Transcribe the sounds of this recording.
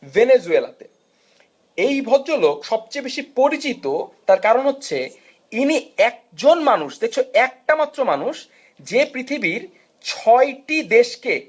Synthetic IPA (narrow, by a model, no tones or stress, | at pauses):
venezuela̰t̪e | ejbʱɔd̪ːolokʃɔb̚t͡ɕejbeʃipoɾit͡ɕit̪ot̪aɾkaɾonɦotːɕʰe | iniɛk̚d͡ʑonmanuʃd̪ek̚t͡ɕʰoɛk̚ʈamat̪ːɾomanuʃ | d͡ʑepɾit̪ʰibiɾ | t͡ɕʰɔjʈid̪eʃke